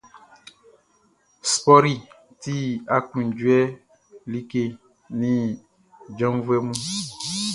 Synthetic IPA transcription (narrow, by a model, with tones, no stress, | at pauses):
spɔ˦ɾi˨ | ti˦a˦kũ˨nd͡ʒu˨˦ɛ˦ | li˦ke˦˨ | nĩ˦ | d͡ʒɔ̃˦mvwɛ˦mũ˦